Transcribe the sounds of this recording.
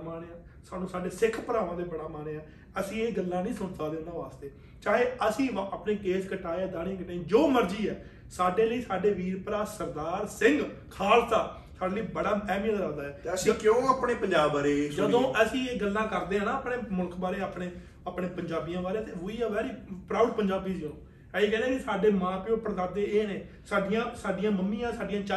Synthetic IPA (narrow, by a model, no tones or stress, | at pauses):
maːneːaː | saːnũːsaːɖeːsɪkʰpəɾaːʋãːd̪eːbəɽaːmaːneːãː | əsĩːeːɡəlːãːnĩːsəsaːd̪eːnãːʋaːst̪eː | t͡ʃaːɦeːəsĩːaːpneːkeːd͡ʒkəʈaːeɛːd̪aːɽ̃ĩːkəʈeːd͡ʒoːməɾd͡ʒiːɛː | saːɖeːləiːsaːɖeːʋiːɾpɾaːsəɾd̪aːɾsɪ̃ŋɡkʰaːlt̪aː | saːɖaːniːbəɽaːɛːmijəlɾaːd̪aːɦɛːəsĩːkjõːaːpɳeːpəɲd͡ʒaːbaːɾeːd͡ʒəd̪õːʔəsĩːeːɡəlːãːkəɾd̪eːãːnãːəpɳeːmʊlkʰbaːɾeːaːpɽeː | apɳeːpəɲd͡ʒaːbijãːʋaːlet̪eːɦʊiːɛːʋɛːɾiːpɾaːɖpəɲd͡ʒaːbiːd͡ʒõnõː | ɛːeːkɛ̃ːnd̪ẽːkisaːɖeːmãːpɪõːpəɾd̪aːd̪eːeːneː | saːɖɪjãːsaːɖɪjãːməmːĩːãːsaːɖijãːt͡ʃa